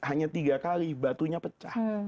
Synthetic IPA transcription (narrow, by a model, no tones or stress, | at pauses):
haɲat̪iɡakalihbat̪uɲapət͡ʃah